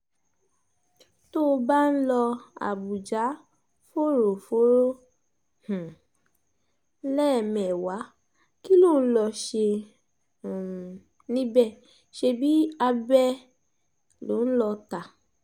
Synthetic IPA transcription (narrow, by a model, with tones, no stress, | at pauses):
to˦˧ba˦n̩˦lɔ˧a̰˨bu˨d͡ʒa˨˦ | fo˦˨ɾo˨fo˨˦ɾo˦ | h̩˨˦ | lɛ˦˨mɛ̃˨wa˨˦ | ki˦lo˦˨n̩˦lɔ˧ʃẽ˧˨ | nĩ˦bɛ˦˨ | ʃe˧bi˦a˧bɛ˦ | lo˨˦n̩˦lɔ˧ta˨